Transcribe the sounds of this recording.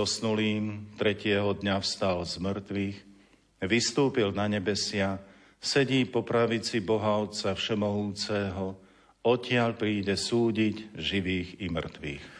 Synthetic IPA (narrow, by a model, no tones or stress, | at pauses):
ɔsnuliːmt̪ɾɛcɪɛɦɔd̪ɲafst̪alzmr̩t̪ʋiːx | ʋist̪uːpilnaɲɛbɛsɪa | sɛɟiːpɔpɾaʋit͡sibɔɦaʊt͡safʃɛmɔɦuːt͡sɛɦɔ | ɔcɪaʎpɾiːɟɛsuːɟiɟʒiʋiːɣimr̩t̪ʋḭːx